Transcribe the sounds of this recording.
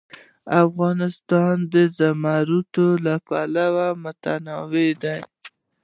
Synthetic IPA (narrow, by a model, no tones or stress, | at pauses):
afɣɑnɪst̪ɑnd̪əzamaɾut̪olapalawamʊt̪anɑwed̪aj